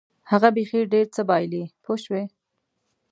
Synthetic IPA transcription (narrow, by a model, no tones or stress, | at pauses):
haɣabexiɖeɾt͡səbɑjlipʰoʃwe